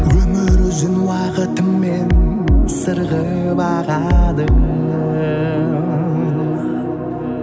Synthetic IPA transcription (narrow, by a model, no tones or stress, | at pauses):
wɵmɪɾʒɪnwɑqət̪əmːensəɾʁə | bɑʁɑd̪əm